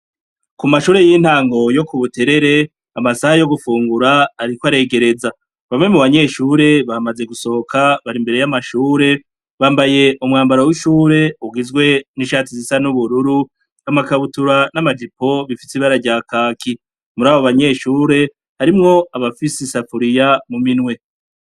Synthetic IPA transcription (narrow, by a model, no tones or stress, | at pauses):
kumaʃuːɾe̞jin̥haːŋɡo̞jo̞kuβutʰe̞ɾe̞ɾe̞ | amasahajo̞ɡufuːŋɡuɾaːɾikoaɾe̞ːɡe̞ɾe̞za | βamŋe̞muβaɲe̞ʃuːɾe̞βamaze̞ɡuso̞ho̞kʰaβaɾimbe̞ɾe̞jamaʃuːɾe̞ | βaːmbaje̞ʔumŋaːmbaɾowiʃuːɾe̞uɡizɡwe̞niʃaːtizisanuβuɾuɾu | amakaβutuɾanamad͡ʒip̚o̞βifisiβaɾaɾɟaːkaːki | muɾaːβoβaɲe̞ʃuːɾe̞ | haɾimŋo̞aβafisisafuɾijamuminwe̞